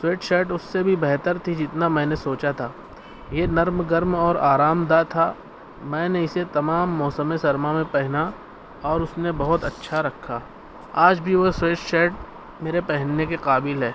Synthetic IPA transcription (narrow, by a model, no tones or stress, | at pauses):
sweːʈʃɛːʈʊsːebʱibɛɦt̪əɾt̪ʰid͡ʒɪt̪namɛ̃ːnesoːt͡ʃat̪ʰaː | jenɐɾmɡəɾmɔːɾaːɾaːmd̪at̪ʰa | mɛ̃ːneɪset̪ɐmaːmːɔːsəmesɐɾmamẽpɛɦna | ɔːɾʊsnebɐɦʊt̪ɐtːʃʰaɾɐkʰːa | aːd͡ʒbʱiʋosweːʈʃɛːʈ̚ | meːɾepɛɦɛnːekeqaːbɪlɦɛː